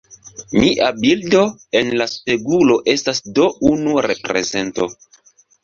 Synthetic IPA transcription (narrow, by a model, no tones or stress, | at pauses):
miʔabildo̞enlaspe̞ɡulo̞ʔe̞stasdo̞unuɾe̞pɾe̞̰ze̞nto̞